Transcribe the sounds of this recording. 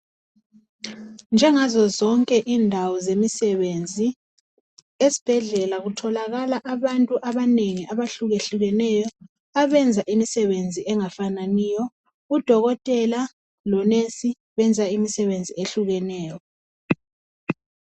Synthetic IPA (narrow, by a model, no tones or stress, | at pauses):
nd͡ʒʱɛŋazɔzɔŋkʼɛʔiːndʱawɔzemisɛβend͡zʱi | esi̥b̥ʱɛɮɛlaɣutʰɔlaɣalaʔaβantʼuʔaβaneŋiʔaβaɬuɣeɬuɣɛnɛjɔ | aβɛnd͡zʱaʔimisɛβend͡zʱiʔɛŋafananiːjɔ | ud̥ʱɔɣɔtʼɛla | lɔnesi | βɛnd͡zʱaimisɛβend͡zʱieɬuɣɛnɛːjɔ